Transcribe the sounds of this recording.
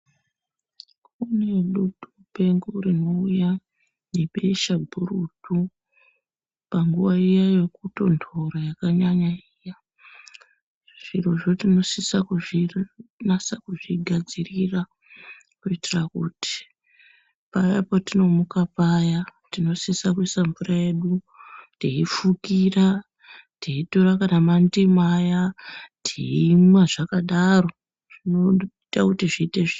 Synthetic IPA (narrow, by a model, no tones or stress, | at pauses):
kune̞ɗuɗupe̞ŋɡurino̞uja | nepeiʃabʱurutu | paŋɡuʋaijaje̞kuto̞ntʰo̞ɾajakaɲaɲaija | ʐ̥iro̞ʐo̞tino̞sisakuʐinasakuʐiɡʱad͡zirira | kuitirakuti̥ | pajapotino̞mukapajatino̞sisakwisamvuraeɗu | tiifukira | tiitoɾakanamandimajatiimwaʐakaɗaro̞ | ʐ̥inoitakutiʐiːteʐi